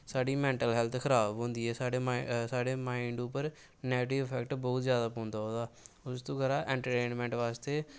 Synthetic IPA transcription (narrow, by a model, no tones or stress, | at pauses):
saːɖiːmɛ̃ːɳʈəlɦɛlt̪ʰkʰəɾaːbɦõːnd̪iːɛːsaːɖeːsaːɖeːmãːiɳɖuːpəɾ | neːʈɪʋpʰɛkʈbɔːt̪zjaːd̪aːpõːnd̪aːɦoːd̪aː | ʊst̪õːkəɾãːʔɛ̃ːɳʈəɾʈeːnmɛ̃ːɳʈʋaːst̪eː